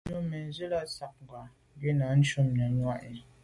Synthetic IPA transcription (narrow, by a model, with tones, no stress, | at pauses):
no˦mɛ˨n˦ze˦la˦sa˨k̚ŋ˨ɡwa˨˦ | ɡe˦na˨˦n̩˦t͡ʃo˦mɲa˨˦ɲwa˦ʔe˨